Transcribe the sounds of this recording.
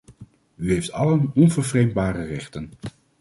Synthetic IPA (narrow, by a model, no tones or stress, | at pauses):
yɦejftɑlənɔnvəɹvrejmbaːrərɛχtən